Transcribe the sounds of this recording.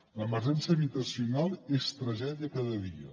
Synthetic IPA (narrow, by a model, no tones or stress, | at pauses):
ləməɾʒɛnsəβit̪əsiunalˠest̪ɾəʒɛðiəkaðəðiə̰